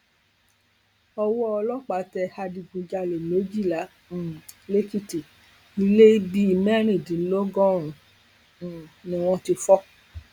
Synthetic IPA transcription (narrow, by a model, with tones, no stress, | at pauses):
ɔ˧wɔ˦ɔ˧lɔ˦k͡pa˨˦tɛ˧ha˧di˧ɡũ˧d͡ʒa˧le˨lo˨˦d͡ʒi˦˨lã˨˦˨ | le˦ki˦˨ti˨ | i˧˦le˦i˦bi˦i˨˧mɛ˦ɾ̃ĩ˨dĩ˨˦lo˦ɡɔ̃˦ɾ̃ũ˨ | nĩ˨w̃ɔ̃˧ti˧fɔ˦